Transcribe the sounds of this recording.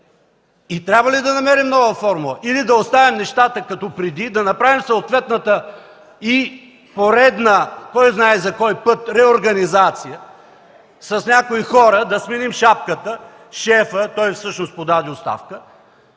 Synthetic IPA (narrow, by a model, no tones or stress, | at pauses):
it̪ɾʲabvəlid̪ɐnɐmɛɾimnɔvəfɔɾmulˠɐʔilid̪ɐost̪avimnɛʃt̪at̪əkɐt̪ɔpɾɛd̪id̪ɐnɐpɾavimsoot̪vɛt̪nət̪ə | i | poɾɛd̪nəkɔjznaɛzɐkɔjpɤt̪ɾɛoɾɡɐnizat̪sijə | sɐsnʲakoixɔɾəd̪ɐsminimʃap̚kət̪ə | ʃɛfət̪ɔjfsɤʃnost̪pod̪ad̪iost̪a̰fkə